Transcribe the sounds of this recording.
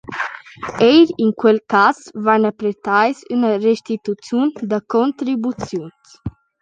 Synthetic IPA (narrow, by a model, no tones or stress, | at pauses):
ejɾiŋkwelkasvanapɾet̪ajsynərest̪it̪ut͡sjund̪akont̪ɾibut͡sjuns